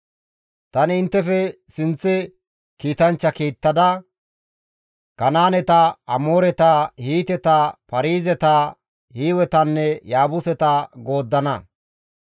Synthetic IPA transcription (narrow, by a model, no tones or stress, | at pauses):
t̪ɐnɪɪnt̪ːɛfɛsɪnt͡sːɪ | kiːt̪ɐnt͡ʃːɐkiːt̪ːɐd̪ɐ | kɐnaːnɛt̪ɐɐmoːɾɛt̪ɐhiːt̪ɛt̪ɐpɐɾiːzɛt̪ɐ | hiːwɛt̪ɐnːɛjaːbʊsɛt̪ɐɡo̞ːd̪ːɐnɐ